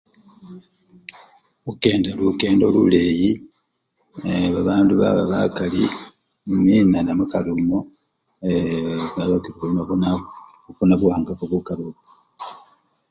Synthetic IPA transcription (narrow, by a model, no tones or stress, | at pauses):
uke̞ːndaluke̞ːndolṵleji | eβaβaːnduβa̰βaβakali | ninanamukalumo | eβalokiɾona | funaβuaːŋɡakoβokaɾuβo